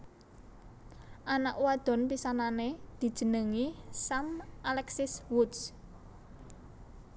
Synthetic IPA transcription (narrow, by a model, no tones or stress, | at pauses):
ʔanaʔwad̪̥ɔ̤npisananed̪̥i̤d̥ʒ̥ə̤nəŋisamʔalɛksɪswud̪s